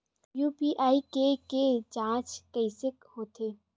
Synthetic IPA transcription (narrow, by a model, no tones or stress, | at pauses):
juːpiʔaːikeked͡ʒãːt͡ʃkəɪsɪkhoːt̪eː